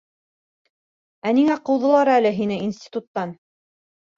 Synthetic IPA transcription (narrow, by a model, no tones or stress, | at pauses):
æniŋæqɤ̆wðɤ̆lˠɑɾɤælɘɦinɘinsʲt̪ʲi̥t̪ut̪ːɑn